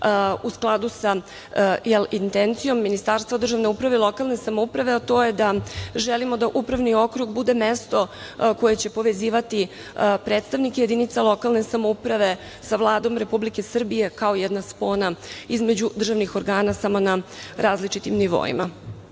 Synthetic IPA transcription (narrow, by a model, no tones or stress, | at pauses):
usklˠad̪usa | jɛlint̪ent̪sijo̞mːinist̪aɾst̪vad̪r̩ʒaʋne̞upɾaʋelˠo̞kalˠne̞samoupɾaʋe̞at̪o̞ːje̞d̪aʒɛlimo̞d̪aʔupɾaʋnio̞kɾuɡbud̪e̞mest̪o̞ko̞je̞t͡ɕe̞po̞ʋe̞ziːʋat̪i | pɾet̪st̪aʋnikejed̪init̪salˠo̞kalˠne̞samoupɾaʋe̞ | saʋlˠaːd̪o̞mɾe̞publike̞sr̩bije̞kaojɛd̪naspo̞naizme̞d͡ʑud̪r̩ʒaʋnixoɾɡaːnasamo̞naɾaːzlit͡ʃit̪imniʋo̰ḭma